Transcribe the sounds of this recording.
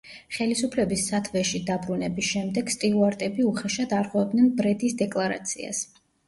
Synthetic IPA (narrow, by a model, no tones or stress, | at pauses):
χɛlisupʰlɛbisːat̪ʰvɛʃid̪abɾunɛbisʃɛmd̪ɛɡ̥st̪ʼiuaɾt̪ʼɛbiuχɛʃad̪aɾχʼwɛvɛb̚d̪nɛnbɾɛd̪isd̪ɛkʼlˠaɾa̰t̪sʰḭa̰s